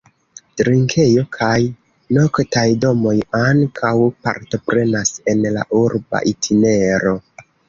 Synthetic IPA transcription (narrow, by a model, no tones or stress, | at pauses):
tɾiŋkʰe̞jo̞kʰaj | no̞ktajdo̞mo̞jaŋkʰawpa̰ɾto̞pɾe̞nase̞nla̰ʔuɾba̰ʔitʰine̞ɾo̞